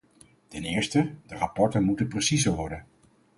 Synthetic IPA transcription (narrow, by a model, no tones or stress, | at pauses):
tɛnɪːɹstədərɑpɔɹtənmutənprəsizəɹʋɔɹdən